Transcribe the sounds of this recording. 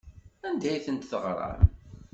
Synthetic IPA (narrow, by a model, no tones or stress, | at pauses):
ænd̪æjθənt̪θəʁɾˤɑ̰ɾ